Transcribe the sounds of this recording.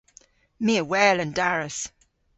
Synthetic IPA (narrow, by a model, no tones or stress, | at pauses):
miəwɛːlə̃ndaɹəs